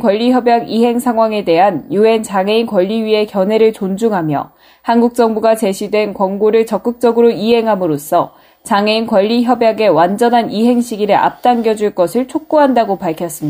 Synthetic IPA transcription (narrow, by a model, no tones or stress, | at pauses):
kwʌʎːiçjʌbjaɡiɦe̞ŋsʰaŋɦwaŋe̞de̞ɦanjue̞nt͡ɕaŋeinkwʌʎːiɥie̞kjʌnɦwe̞ɾɯɭt͡ɕond͡ʑuŋɦamjʌ | hanɡuk̚t͡ɕ͈ʌŋbuɡat͡ɕe̞ɕʰidwe̞nkwʌŋɡoɾɯɭt͡ɕʌk͈ɯk̚t͡ɕ͈ʌɡɯɾoiɦeŋɦamɯɾos͈ʰʌ | t͡ɕaŋe̞inkwʌʎːiçjʌbjaɡe̞wand͡ʑʌnɦaniɦe̞ŋɕʰiɡiɾɯɭʔa̰p̚t͈aŋɡjʌd͡ʑuɭk͈ʌsʰɯɭt͡ɕʰok̚k͈oɦandaɡopaɭkʰjʌs͈ɯmɲi